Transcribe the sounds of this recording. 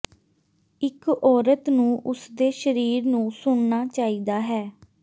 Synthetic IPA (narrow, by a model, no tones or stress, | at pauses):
ɪkɔːɾət̪nũːʔʊsd̪eːʃəɾiːɾnũːsʊɳnaːt͡ʃaːiːd̪aːɦɛː